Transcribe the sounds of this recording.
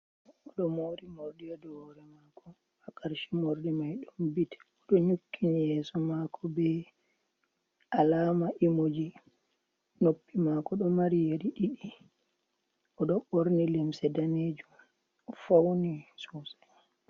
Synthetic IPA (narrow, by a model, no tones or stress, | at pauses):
ɔɗɔmoːɾimoɾɗijadɔɾɛmakʰɔ | akaɾʃimoɾdimajɗunbitɛ̥ɔɗɔɲukʰːinijɛːsɔmakʰɔbɛ | ʔalaːmaʔimod͡ʒi | nopːimakɔɗɔmaɾijeɾiɗiɗi | ʔɔɗɔɓoɾnilɛmsɛdaneːd͡ʒum | fawnisusḁ